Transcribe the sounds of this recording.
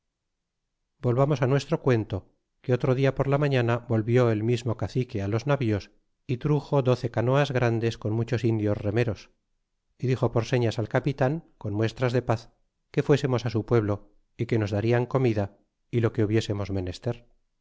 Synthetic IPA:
bo̞lβamo̞sanwe̞st̪ɾo̞kwe̞nt̪o̞ | keot̪ɾoðiapo̞ɾlamãɲanabo̞lβjo̞e̞lmizmo̞kaθikealo̞znaβio̞s | it̪ɾuxo̞ðo̞θe̞kano̞azɣɾand̪e̞sko̞nmut͡ʃo̞sind̪jo̞zre̞me̞ɾo̞s | iðixo̞po̞ɾse̞ɲasalkapit̪aŋko̞nmwe̞st̪ɾazðe̞paθ | ke̞fwe̞semo̞sasupwe̞β̞lo̞ | ike̞no̞zðaɾiaŋko̞miða | ilo̞ke̞uβje̞se̞mo̞zme̞ne̞st̪eɾ

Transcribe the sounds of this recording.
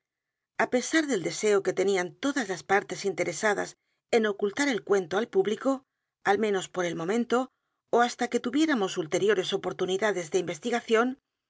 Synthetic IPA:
ape̞saɾðe̞ld̪e̞se̞o̞ke̞t̪e̞niant̪o̞ðazlaspaɾt̪e̞sint̪e̞ɾe̞saða̰s | e̞no̞kult̪aɾe̞lkwe̞nt̪oalpuβliko̞ | almẽ̞no̞spo̞ɾe̞lmõ̞mẽ̞nt̪o̞ | oast̪ake̞t̪uβje̞ɾamo̞sult̪e̞ɾjo̞ɾe̞so̞po̞ɾt̪uniðaðe̞zðe̞imbe̞st̪iɣaθjo̞n

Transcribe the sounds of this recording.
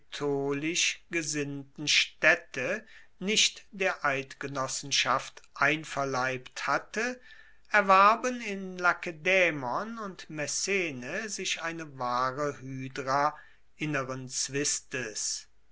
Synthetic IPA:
tʰoːlɪʃɡ̥əzɪntn̩ʃtɛtə | nɪʃtd̥eːɐʔaɪtɡ̥ənɔsn̩ʃaftʔaɪnfɛɐlaɪpthatə | ʔɛɐvaɐbənɪnlakedɛːmɔnʊntmɛsɛːnəzɪʃʔaɪnəvaːʁəhyːdʁa | ʔɪnəʁənt͡sv̥ɪstəs

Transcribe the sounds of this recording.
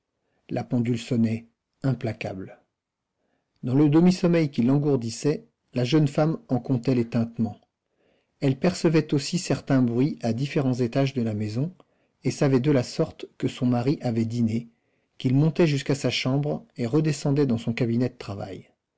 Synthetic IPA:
lʔapɑ̃d̪ylsɔnɛ | ɛ̃plaka̰bl | d̪ɑ̃ləd̪əmisɔmɛjkʲilɑ̃ɡuʁd̪isɛ | laʒənfamɑ̃kɔ̃t̪ɛlet̪ɛ̃t̪mɑ̃ | ɛlpɛʁsəvɛt̪osisɛʁt̪ɛ̃bʁɥiad̪ifeʁɑ̃zet̪aʒd̪əlamezɔ̃ | esavɛd̪əlasɔʁt̪kəsɔ̃maʁiʔavɛd̪ine | kʲilmɔ̃t̪ɛʒyskasaʃɑ̃bʁeʁəd̪ɛsɑ̃d̪ɛd̪ɑ̃sɔ̃kabinɛd̪ət̪χava̰j

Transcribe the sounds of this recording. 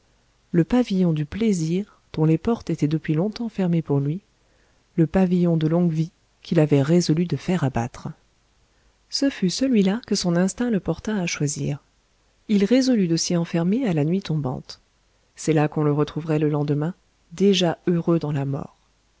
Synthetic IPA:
ləpavijɔ̃d̪ypleziʁ | d̪̥ɔ̃lepɔʁt̪et̪ɛd̪əpɥilɔ̃t̪ɑ̃fɛʁmepuʁlɥi | ləpavijɔ̃d̪əlɔ̃ɡvi | kʰʲilavɛʁezɔlyd̪əfɛʁaba̰t̪χ | səfysəlɥilakəsɔ̃nɛ̃st̪ɛ̃ləpɔʁt̪aːʃwazḭːʁ | ilʁezɔlyd̪əsiɑ̃fɛʁmealanɥit̪ɔ̃bɑ̰̃t̪ | sɛlakɔ̃ləʁət̪χuvʁɛləlɑ̃d̪əmɛ̃ | d̪eʒaøʁød̪ɑ̃lamɔ̰ːʁ

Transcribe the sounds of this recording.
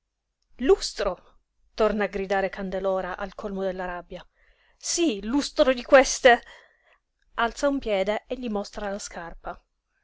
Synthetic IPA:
lust̪ɾo | t̪ornaːɡɾid̪aːɾekand̪elɔːɾaʔalkʰolmod̪elːaɾabːja | silust̪ɾod̪ikwest̪e | alt̪saumpjɛːd̪eeʎːimost̪ɾalaskarpa

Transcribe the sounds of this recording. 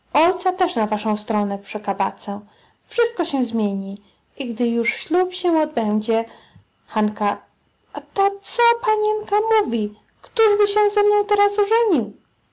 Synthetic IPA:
ɔjt̪sat̪ɛʂnavaʂɔ̃w̃st̪ɾɔnɛpʂɛkaba̰t̪sɛ | fʂɘst̪̚kɔɕɛw̃zmʲjeɲi | iɡd̪ɘjuʂɕlʲupɕɛɔd̪̚bɛnd͡ʑɛ | xanka | at̪ɔt̪sɔpaɲɛnkamuvʲi | kt̪uʐbɘɕɛzɛmnɔ̃w̃t̪ɛɾasɔʐɛɲiw

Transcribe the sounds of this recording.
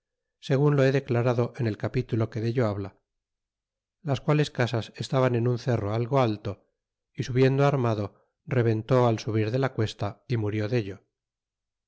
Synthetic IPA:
se̞ɣ̞unloeðe̞klaɾaðo̞ʔe̞ne̞lkapit̪ulo̞ke̞ðeʎo̞aβla | laskwale̞skasase̞st̪aβane̞nunθe̞ro̞alɣo̞alt̪o̞ | isuβje̞nd̪oaɾmaðo̞ | re̞β̞e̞nt̪o̞alsuβ̞iɾðe̞lakwe̞st̪aimuɾjo̞ðe̞ʎo̞

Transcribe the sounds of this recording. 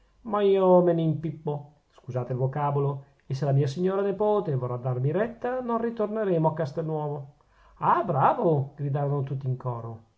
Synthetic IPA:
maiːomemimpipːo | skuzaːt̪eilvokaːbolo | esːelamiːasiɲːoːɾanepoːt̪evorad̪ːarmiɾɛt̪ːanonrit̪orneɾeːmoakːast̪ɛlnːwɔːvo | abɾaːvoɡɾid̪aːɾonot̪ut̪ːiːŋkɔːɾo

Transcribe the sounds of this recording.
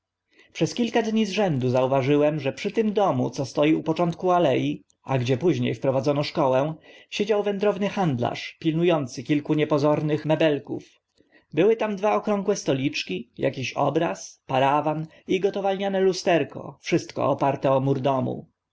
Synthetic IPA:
pʂɛskʲilkad̪ɲizʐɛnd̪uzauvaʐɘwɛmʐɛpʂɘt̪ɘmd̪ɔmut̪sɔst̪ɔjiupɔt͡ʂɔnt̪̚kualɛji | aɡd͡ʑɛpuʑɲḛjfpɾɔvad̪zɔnɔʂkɔwɛ̃ɕed͡ʑawvɛnd̪ɾɔvnɘxand̪la̰ʂpʲilnujɔnt̪sɘkʲilkuɲɛpɔzɔɾnɘxmɛbɛlkṵf | bɘwɘt̪amd̪vaɔkɾɔŋɡwɛst̪ɔlʲit͡ʂkʲija̰kʲiɕɔ̰bɾaspaɾavan | iɡɔt̪ɔvalɲanɛlust̪ɛɾkɔ̰fʂɘst̪kɔ̰ɔpaɾt̪ɛɔmuɾd̪ɔmṵ

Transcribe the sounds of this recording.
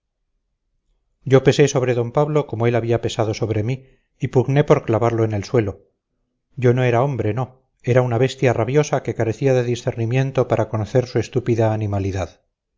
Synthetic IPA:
ɟ͡ʝo̞pe̞se̞so̞β̞ɾe̞ðo̞mpaβlo̞ko̞moe̞laβiape̞saðo̞so̞βɾe̞miː | puɣne̞po̞ɾklaβaɾloene̞lswe̞lo̞ | ɟ͡ʝo̞no̞e̞ɾao̞mbɾe̞no̞ | e̞ɾaunaβe̞st̪jaraβjo̞sake̞kaɾe̞θiaðe̞ðisθe̞ɾnimje̞nt̪o̞paɾʔako̞noθe̞ɾsue̞st̪upiðaːnimaliðað

